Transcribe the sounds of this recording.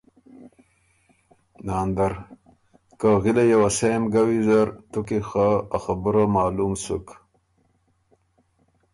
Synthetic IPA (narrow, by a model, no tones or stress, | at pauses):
naːnd̪ɐɾ | kaɣilajawasejmɡawizaɾt̪ukixaaxabəɾamaːlumsṵk